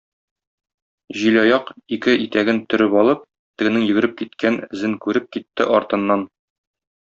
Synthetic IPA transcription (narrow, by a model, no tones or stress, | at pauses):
ʑilɒjɑqikɘʔit̪æɡɘnt̪ɵ̆ɾɘpɒlˠɤp̚ | t̪ɘ̆ɡɘ̆nɘŋjɘ̆ɡɘ̆ɾɘp̚kit̪̚kʰænɘ̆zɘŋkʉɾɘp̚kit̪ːɘʔɒɾt̪ɤ̆nːɑn